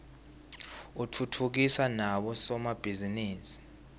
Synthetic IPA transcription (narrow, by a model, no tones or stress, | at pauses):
utʰutʰuk̬isanaɓɔsɔmab̥ʱiziniːsi̥